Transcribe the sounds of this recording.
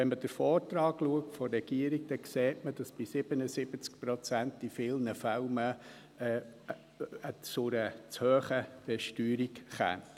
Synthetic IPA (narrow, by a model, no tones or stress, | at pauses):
ʋɛnməd̥əɾfɔːɾtɾɑːɡ̥luək̚tfɔrːɛɡ̥iəɾiɡd̥ɛkseːtməd̥ɑsb̥isɪb̥ənəsɪb̥ət͡sk̚pɾɔt͡sæntd̥ifɪlnəfalmə | ət͡sʊɾət͡shøːχədɛʃtyːɾikχæ̰nt